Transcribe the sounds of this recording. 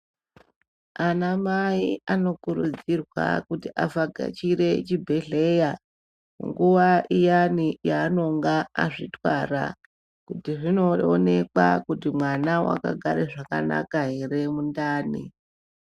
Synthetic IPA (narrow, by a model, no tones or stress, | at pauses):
anamaiano̞kuɾud͡zirwa̰kutiʔafaɡʱa̰t͡ʃiɾe̞t͡ʃibʱe̞ɮe̞ja | mṵŋɡuʋaʔijanijaːno̞ŋɡaːʐitwara̰ | kutiʐino̞one̞kakutimwanawa̰ka̰ɡʱaɾeʐakana̰kaɦe̞re̞mundaːnḭ